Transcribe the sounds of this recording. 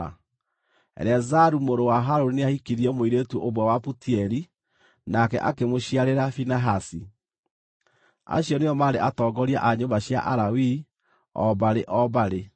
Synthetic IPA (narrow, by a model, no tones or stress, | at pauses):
ɛ̰ɾɛzaɾumoɾowaɦaɾoɾneahikiɾiɛmoiɾetuʔoβwɛwaputiɛɾi | nakɛ̰ʔakemoɕiaɾeɾafinaɦasi | a̰ɕjɔneɔmaɾeʔatɔːɡɔɾia̰ʔaɲombaɕja̰ʔaɾawi | ɔ̰baɾeʔɔbaɾe